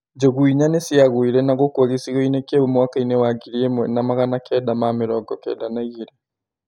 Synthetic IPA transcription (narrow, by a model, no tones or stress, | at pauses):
d͡ʒoɣuiɲanesiaɣwiɾɛnaɣokoɣisiɣoinekeumwakainewaɡiɾiemwɛnamaɣanakɛːdamameɾɔɡɔkɛ̰ːdanaiɣiɾe